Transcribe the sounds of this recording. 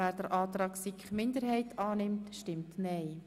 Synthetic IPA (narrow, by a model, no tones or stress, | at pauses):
æːɾd̥əɾʔɑːt̪ɾɑːksikχmɪndəɾhɛɪtʰɑːnɪmtʃtɪmtnɛɪ